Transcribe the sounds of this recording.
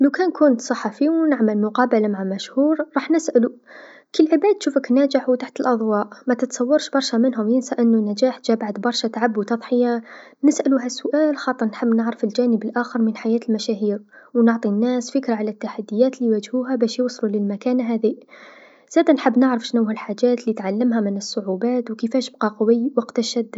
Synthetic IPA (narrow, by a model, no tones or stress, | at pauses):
lawkæːnkʊnt̪sˤɑħːɑfiwnɪʕməlmʊqɑːbalamaʕamæʃhuːɾɾˤɑːħnɪsʔælu | kɪlːʕɪbaːd̪̚ʃuːfəknæːd͡ʒɪħwt̪aħt̪əlʔɑðˤwɑːʔmæt̪ət̪sˤɑwːɑɾˤʃbɑɾˤʃamɪnɦʊmjɪnsaʔənːunæd͡ʒaːħd͡ʒaːbaʕd̪bɑɾˤʃat̪aʕabːuwt̪ɑðˤħɪja | nəsʔæluɦæsːʊʔæːlxɑːt̪ˤəɾˤnħəbːnəʕɾəfəld͡ʒæːnəbəlʔaːxəɾˤmənħajæːt̪əlmæʃæɦiːɾwnʊʕt̪ˤinːæsfəkɾaʕalæt̪ːaħad̪ːɪjːæːt̪liwæd͡ʒhuːɦæbæːʃjuwsˤluləlmakæːnɦæði | z̥æːd̪anħəbːnəʕɾəfʃnuwhælħad͡ʒæːt̪lit̪ʕalːəmɦæmənəsˤːʊʕubaːt̪wkəfæʃəb̚qɑqwəjːwɑqt̪aʃæd̪ː